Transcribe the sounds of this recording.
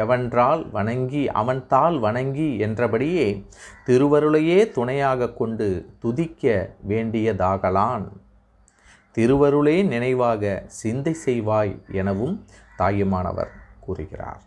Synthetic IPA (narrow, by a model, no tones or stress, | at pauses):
ɛʋɐndraːlʋɐɳɐŋɡiʔɐ̰ʋɐnt̪aːlʋɐɳɐŋɡiɛndrɐpɐɽɪjeːt̪ɪɾɯʋɐɾɯɭɐjeːt̪ʊɳɐjaːɣɐkːɔɳɖɯt̪ʊðɪkːɐʋeːɳɖɪjɐðaːɣɐlaːn | t̪ɪɾɯʋɐɾɯɭeːnɪnɐɪʋaːɣɐsɪnd̪ɐɪsɛjʋaːjɛnɐʋɯmt̪aːjɐmaːnɐ̰ʋɐ̰ɾkuːrɯɣɪ̰ra̰ːɾ